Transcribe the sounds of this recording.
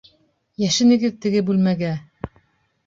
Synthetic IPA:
jæʃɘ̆nɘ̆ɡɘðt̪ɘ̆ɡɘbʉlmæɡæ

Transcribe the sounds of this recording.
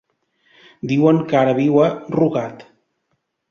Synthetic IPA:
d̪iwəŋkaɾəβiwəruɣat̪

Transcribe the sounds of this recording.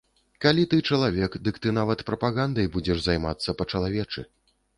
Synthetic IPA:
kalʲit̪ɨt͡ʂɐlˠavʲɛkd̪ɨkt̪ɨnavɐt̪pɾɐpaɣand̪ɐjbud͡zʲɛʐzajma̰t̪sːɐpɐt͡ʂɐlˠavʲɛt͡ʂɨ

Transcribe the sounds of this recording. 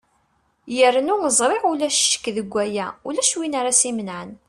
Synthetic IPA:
jərnunəzˤɾˤeʁʊlæʃʃə̥kːðəɡʷːæjæulæʃwinaɾasimənʕən

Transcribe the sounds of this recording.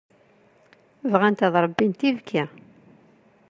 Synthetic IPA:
vʁænt̪æðˤɾˤəbːint̪ivkʰæ

